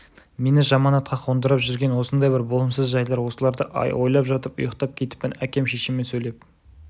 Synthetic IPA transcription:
me̞nɪʒɑmɑnɑt̪̚qɑqʰo̞nd̪əɾəpʒʏɾɡʲe̞nwo̞sənd̪ɑjbɪɾbo̞lˠəmsəzʒɑjlˠɑɾwo̞səlˠɑɾd̪əʔɑ̰jwo̞jlˠɑpʒɑt̪əpʊ̰jəqt̪ɑp̚kʲʰe̞t̪ɪ̥pːɪnækʲe̞mʃe̞ʃɪmːensɵjle̞p̚

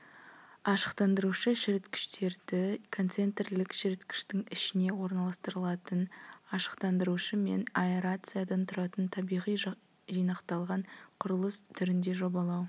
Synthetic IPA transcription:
ɑʃə̥qt̪ɑnd̪əɾuʃəʃɪɾɪt̪kʲʰɪ̥ʃt̪e̞ɾd̪ɪkʰo̞nt̪se̞nt̪erlɪkʃɪɾɪt̪kʲʰɪ̥ʃt̪ɪŋɪʃɪne̞wo̞ɾnɑlˠɑst̪əɾəlˠɑt̪ənɑʃə̥qt̪ɑnd̪əɾuʃəme̞̰naeɾat̪sɨjad̪ɑnt̪ʰʊɾɑt̪ənt̪ʰɑbijʁij | ʒijnɑqt̪ɑlˠʁɑɴqʰʊɾəlˠəst̪ʰʏɾɪnd̪e̞ʒo̞bɑlˠɑw

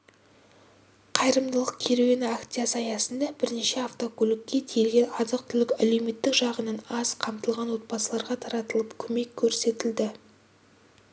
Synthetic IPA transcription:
qʰɑjɾəmd̪əlˠəq̚kʲʰe̞ɾewenɪakt̪ijasɑjɑsənd̪ɑbɪɾneʃe̞aft̪o̞kʰʲɵlɪkʲːe̞t̪ʰelɡʲe̞ʔɑzəq̚t̪ʰʏlɪkæle̞wme̞t̪ːɪkʒɑʁənɑnɑz̥qʰɑmt̪əlˠʁɑnwo̞t̪̚bɑsəlˠɑɾʁɑt̪ʰɑɾɑt̪əlˠəpkʲʰɵme̞kʲʰːɵɾse̞t̪ɪld̪ɪ

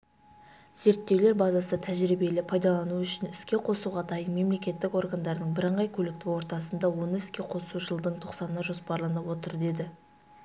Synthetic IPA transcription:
ze̞ɾt̪ːe̞wle̞ɾbɑzɑsət̪ʰæʒɾibe̞lɪpʰɑjd̪ɑlˠɑnuʏʃɪnɪskʲe̞qʰo̞suʁɑd̪ɑjənme̞mle̞kʲe̞t̪ːɪko̞rɡand̪ɑɾd̪əɴbɪɾəɴʁɑjkʲʰɵlɪk̚t̪ɪkwo̞ɾt̪ɑsənd̪ɑwo̞nəɪskʲe̞qʰo̞suʒəlˠd̪əɴt̪ʰoqsɑnənɑʒo̞spɑɾlˠnɑpwo̞t̪əɾd̪e̞d̪ɪ

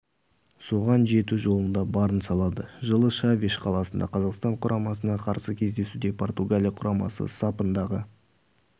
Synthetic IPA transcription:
so̞ʁɑnʒe̞t̪uʒo̞lˠənd̪ɑbɑɾənsɑlˠɑd̪əʒəlˠəʃavʲiʃqʰɑlˠɑsənd̪ɑ̰qʰɑzɑqst̪ɑɴqʰʊɾʔɑmɑsənɑqʰɑɾsəkʲʰe̞zd̪e̞sud̪e̞pʰo̞rt̪uɡalʲijɑqʰʊɾɑmɑ̰sə̰sɑpənd̪ɑʁə

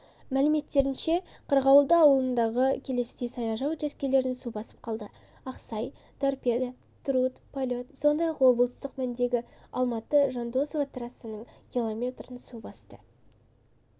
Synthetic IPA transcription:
mælɪme̞t̪ːe̞ɾɪnʃe̞qʰəɾʁɑwlˠd̪əɑwəlˠənd̪ɑʁəkʲʰe̞le̞sejsɑjɑʒɑwʒeskʲele̞ɾɪnsubɑsə̥p̚qʰɑlˠd̪ə | ɑqsɑj | t̪ʰorped̪a | t̪ʰɾut̪pʰolʲo̞t̪so̞nd̪ɑjɑqwo̞blˠəst̪əqmænd̪e̞ɡʲɪɑlˠmɑt̪əʒɑnd̪o̞sovat̪ʰrasənəɴkʲilˠo̞mʲe̞t̪rənsubɑst̪ə

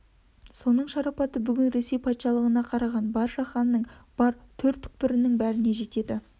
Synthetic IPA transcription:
so̞nəɴʃɑɾɑpɑt̪əbʏɡʲɪnɾe̞se̞jpʰɑt̪ʃɑlˠəʁənɑqʰɑɾɑʁɑnbɑɾʃɑχɑnːəɴb̥ɑɾt̪ʰɵɾt̪ʰːʏ̥k̚pɪɾɪnɪŋbæɾɪne̞ʒe̞t̪e̞d̪ɪ

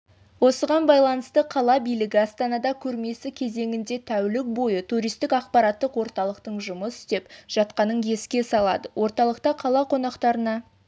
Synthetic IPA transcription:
wo̞səʁɑnbɑjlˠɑnəst̪əqʰɑlˠɑbijlɪɡʲɪɑst̪ɑnɑd̪ɑkʲʰɵɾme̞sɪkʲʰe̞ze̞ŋɪnd̪e̞t̪ʰæwlɪk̚bo̞jət̪ʰuɾijst̪ɪkɑqpɑɾɑt̪ːəqwo̞ɾt̪ɑlˠəqt̪əɴʒʊməsɪ̥st̪e̞pʒ̥ɑt̪qɑnəɴkʰe̞skʲe̞sɑlˠɑ̰d̪əwʔo̞ɾt̪ɑlˠəqt̪ɑqʰɑlˠɑqʰo̞nɑqt̪ɑɾənɑ

